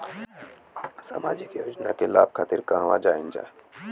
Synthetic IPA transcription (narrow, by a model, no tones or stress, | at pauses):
sa̰ːmaːd͡ʒɪkjoːd͡ʒnakela̰ːb̚kʰaːt̪ɪɾkãːɦʋa̰d͡ʒaːɪnd͡ʒa̰